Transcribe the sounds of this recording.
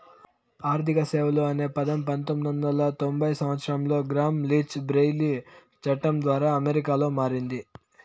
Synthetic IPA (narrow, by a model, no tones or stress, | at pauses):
aːɾt̪ʰikɐseːʋɐluɐne̞ːpɐd̪ɐmpɐnt̪omːid̪ɐnd̪ɐlɐt̪o̞mbʱɐjsɐmʋɐt̪sɐɾɐmlo̞ːɡɾaːmliːt͡ʃbɾejli | t͡ʃɐʈːɐmd̪ʋaːɾaːɐmeɾikaːlo̞ːmaːɾind̪i